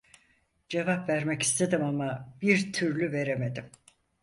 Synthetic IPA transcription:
d͡ʒe̞vapvæɾmɛci̥st̪ʰe̞d̪imamab̥iɾt̪ʰyɾlʲyve̞ɾeme̞d̪im

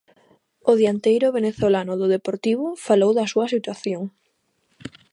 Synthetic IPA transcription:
ʊðjant̪ejɾʊβeneθolanʊðʊðepoɾt̪iβ̞ʊfalowðɐsuɐsit̪waθjoŋ

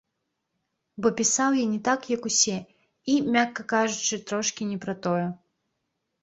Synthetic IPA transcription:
bɔpʲisawjinʲɛt̪akjɐkusʲɛ | imʲakːɐkaʐut͡ʂɨt̪ɾɔʂkʲinʲɛpɾɐt̪ɔjɛ

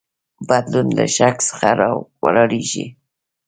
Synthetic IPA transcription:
bad̪lunlaʃaksə̥xaɾɑwalɑɽiʒi

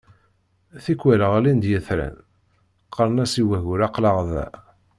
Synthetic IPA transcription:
θikːwæləʁlind̪jəθɾæ̰n | qʰːəɾˤnæsiwæʝʊɾɑqləʁðæ̰

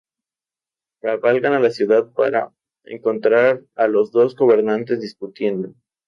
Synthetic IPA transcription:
raβalɣanalasjuðaðpa̰ɾa̰ | ḛŋko̞nt̪ɾaɾalo̞zðo̞zɣo̞βe̞ɾnãnt̪e̞zðiskut̪je̞nd̪o

